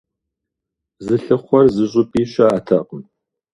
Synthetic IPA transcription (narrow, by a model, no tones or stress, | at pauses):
zɨɬɨχʷɔrzɨɕ̬ʼʊpʼiːɕɐːtʰɐqʼən